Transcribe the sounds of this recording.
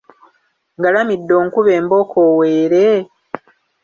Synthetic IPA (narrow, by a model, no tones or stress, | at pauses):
ŋɡalamidːo̞ːŋkuβe̞ːmbo̞kʰowe̞ːɾe